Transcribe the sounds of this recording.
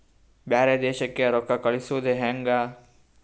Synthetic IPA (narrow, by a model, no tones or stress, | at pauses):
baːɾed̪eːʃəkːeɐɾokːakɐɭisoːd̪ʱeɦɛ̃ŋɡaː